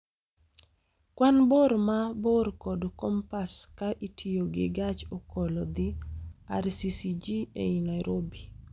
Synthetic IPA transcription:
kwanboɾmaborkodkɔmpaskaʔitʰijoɡɪɡat͡ʃokolod̪ɪa̰ɾsisid͡ʒiḛinajɾobi

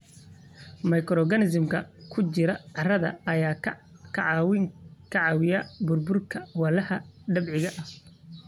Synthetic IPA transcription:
mɐjkʰɾɔɡɐnɪs̬ɪmkʰɐkʰʊt͡ʃɪɾɐʕɑrɐðɐ̰ɐjaːkʰɐʕɑwɪŋkʰɐʕɑwɪjɐbʊrbʊrkʰɐwɐlɐhɐɖɐbʕɪɣɐʔɐh

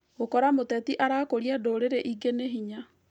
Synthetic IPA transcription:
ɣokɔɾamotɛtiʔaɾakoɾiadoɾeɾeʔiɡeneɦiɲa

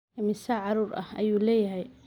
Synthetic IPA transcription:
mɪsɐʕɑɾuːɾʔɐ̰hɐ̰juːlɛːjɐɦɛj

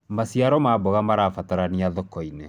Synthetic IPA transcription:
masiaɾɔmabɔɣamaɾafataɾaniaðɔkɔine

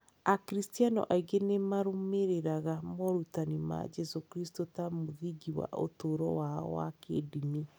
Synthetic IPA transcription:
akɾistianɔ̰ʔaiɡenemaɾommeɾeɾaɣamɔɾutanima̰d͡ʒɛsokɾistotamoðiɡiwa̰ʔo̰toɾɔwaɔ̰wa̰kḛdini

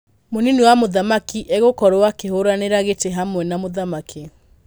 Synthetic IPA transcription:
moniniwamoðamakiʔeɣokɔɾowakeɦoɾaneɾaɣeteɦamwɛnamoðamakʰe

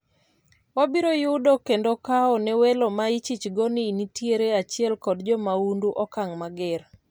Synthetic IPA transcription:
wabiɾojʊdokendokaɔnɛwelɔmait͡ʃit͡ʃɡonɪnitjeɾeat͡ʃɪɛlkɔdd͡ʒɔmaunduʔɔkaŋmaɡɛr

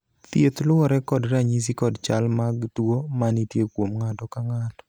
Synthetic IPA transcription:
t̪jet̪lʊɔɾɛkɔdɾaɲis̬ikɔdt͡ʃalmaɡtwomanitjekwomŋatɔkaŋatɔ̥

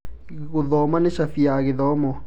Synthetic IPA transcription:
kuðɔmaneʃafiaɣɪðɔmɔ

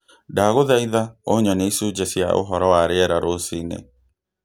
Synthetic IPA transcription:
daːɣoðaiðaoɲɔneisud͡ʑasja̰ʔo̰ɦɔɾɔwaɾeɛɾaɾosinḛ

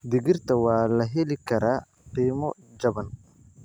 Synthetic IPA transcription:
d̪ɪɡɪrt̪ʰɐwaːlɐɦɛlikʰɐɾaː | qiːmɔd͡ʒɐbɐn

